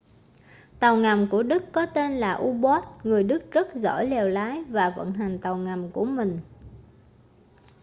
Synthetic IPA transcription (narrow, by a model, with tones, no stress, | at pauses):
t̪a˨˩wŋa˨˩mku˧˩əɗɨ˦˥kːɔ˨˦t̪e˧nlaː˨˩ʔu˧ɓɔ˦˥t̚ŋɨ˨˩əjɗɨ˦˥k̚zə˦˥t̚zɔ̰˧˩jlɛ˨˩wlaː˨˦jvaː˨˩və̰˧˨nɦa˨˩jŋ̟t̪a˨˩wŋa˨˩mku˧˩əmï˨˩ŋ̟